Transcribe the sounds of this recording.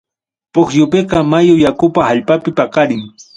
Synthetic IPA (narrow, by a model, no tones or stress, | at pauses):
poχjʊpeqɑmajʊjakʊpahaʎpapɪpakɑɾɪŋ